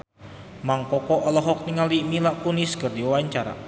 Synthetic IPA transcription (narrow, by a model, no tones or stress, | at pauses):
maŋkɔkɔʔɔlɔɦɔk̚niŋalimilaʔkuniskərdiwawaɲt͡ʃaɾa̰